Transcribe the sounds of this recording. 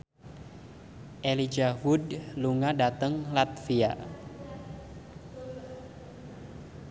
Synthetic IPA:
ʔelid͡ʒaɦudluŋadat̪əŋlat̪̚fia̰

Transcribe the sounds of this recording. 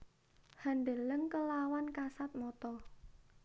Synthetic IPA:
hanɖ̪eləŋkəlawankasat̪̚mɔt̪ɔ

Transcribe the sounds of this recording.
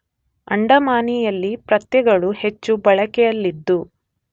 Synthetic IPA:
ɐ̰ɳɖɐmaːnijɐlːipɾɐt̪jɛɡɐɭuhet͡ʃːubɐɭɐkɛjɐlːid̪ːu

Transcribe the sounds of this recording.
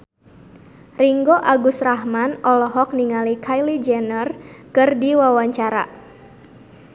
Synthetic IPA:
riŋɡoʔaɡusrahmanɔlɔɦɔk̚niŋalikʰajlid͡ʒɛnərkɨrdiwawaɲt͡ʃaɾa̰

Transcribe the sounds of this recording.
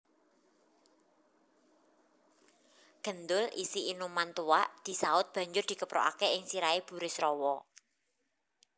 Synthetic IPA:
ɡ̥ə̤nd̪ʊlʔḭsiʔinumant̪uaʔd̪̥i̤saʊt̪̚b̥a̤ɲd͡ʒʊrd̪̥i̤kəpɾʔɔ̰ʔa̰keɪŋsiɾaeb̥ṳɾɪsɾɔwɔ

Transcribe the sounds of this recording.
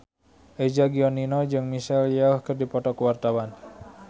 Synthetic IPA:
ʔɛd͡ʒaɡiɔninɔd͡ʒɨŋmisɛljauhkərdipɔt̪ɔkəwart̪awan

